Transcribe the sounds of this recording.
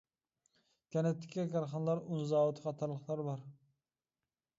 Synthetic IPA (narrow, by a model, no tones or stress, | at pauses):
kʲɛnɛt̪ʰːɪ̥kʲʰːɛkʲʰɑɾχɑnlˠɑɾunzɑːwt̪ʰɨ̥qɑt̪ʰɑɾlˠəχlˠɑɾbɑɾ